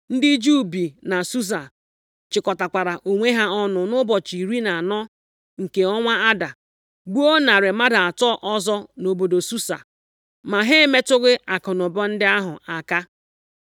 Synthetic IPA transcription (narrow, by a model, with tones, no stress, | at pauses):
n̩˦dɪ˦d͡ʒu˦bi˨na˨su˦s̬a˨ | t͡ʃɪ˨kɔ˨ta˨kʷa˨ɾa˨ʔo˨ŋʷe˦ɦa˦ɔ˦nʊ˨nʊ˦bɔ˨t͡ʃi˨ɾi˦na˨nɔ˦ | ŋ̩˨ke˨ɔ˦ŋʷa˦a˦da˨ | ɡ͡bu˦o˦na˨ɾɪ˨ma˦da˨a˨tɔ˦ʔɔ˦zɔ˦no˨bo˨do˨su˦sa̰˨ | ma˨ɦe˦me˦tʊ˦ɣɪ˦ʔa˨kʊ˨nʊ˨bɔ˦n̩˦dɪ˦a˦ɦʊ˨ʔa˨ka˦